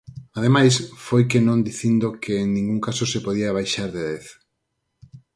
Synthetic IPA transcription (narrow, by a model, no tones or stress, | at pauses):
að̞emajsfojkenõnd̪iθind̪okeːŋnĩŋɡuŋkasosepoð̞iaβ̞ajʃaɾðeðeθ